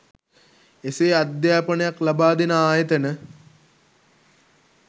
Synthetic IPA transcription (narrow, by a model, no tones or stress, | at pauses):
eseːad̪jaːpənəjaklabaːd̪inəaːjət̪ənə